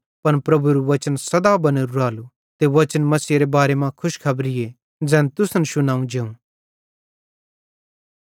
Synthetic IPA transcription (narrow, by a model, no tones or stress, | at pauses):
pɐnpɾɐbuɾuʋɐt͡ʃənsɐd̪abɐneɾuɾaːlu | t̪eʋɐt͡ʃənmɐsiːɾebaːɾemãkʰʊʃkʰɐbɾɪje | d͡zɛ̃ːnt̪ʊsnəʃʊnãːũd͡ʒeːũː